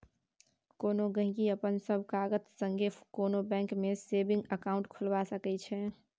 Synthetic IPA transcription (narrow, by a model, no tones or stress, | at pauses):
konoɡə̃ɦĩɡiəpənsəbʱkaɡət̪səŋɡʱekonobɛ̃ŋkmesebĩŋɡəkaʊ̃ɳʈkʰulbasəkɛt͡ʃʰɛ